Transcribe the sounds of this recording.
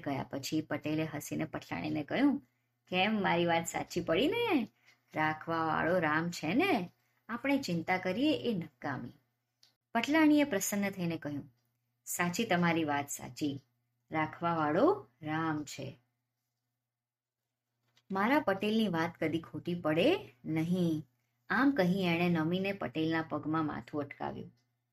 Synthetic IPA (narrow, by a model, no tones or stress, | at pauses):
ɡəɦja̰pət͡ʃʰipəʈeleɦəsinepəʈʰla̰ɽ̃inekəɦjũ | kɛmːaɾiʋat̪sa̰t͡ʃipəɽine | ɾakʰʋaʋa̰ɭoɾamt͡ʃʰene | apəɳ̃et͡ʃɪnt̪akəɾijeʔenəkːamḭ | pəʈʰlaɽ̃iepɾəsənːət̪ʰəinekəɦjũ | sat͡ʃit̪əmaɾiʋat̪sa̰t͡ʃi | ɾakʰʋaʋaɭoɾamt͡ʃʰḛ | maɾapəʈelniʋat̪kəd̪ikʰoʈipəɽenəɦĩ | amkəɦĩeɽ̃enəminepə̰ʈelnapəɡmãma̰t̪ʰũəʈka̰ʋjṵ̃